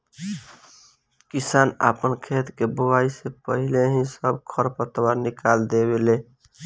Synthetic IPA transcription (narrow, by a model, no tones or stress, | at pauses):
kisana̰pənkʰet̪kebuwaisepəɦileɦĩsəbkʰəɾpət̪baɾnikald̪ebele